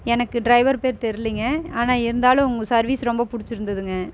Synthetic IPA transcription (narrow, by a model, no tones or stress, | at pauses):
ɛnɐkːɯɖɾɐɪʋɐɾpeːɾt̪ɛɾɪlɪŋɡɐaːnaːɪɾɯnd̪aːlʊ̃ʊŋɡɐsɐɾʋiːsɾɔmbɐpʊɽɪt͡ʃːɪɾɯnd̪ɐðɯŋɡɐ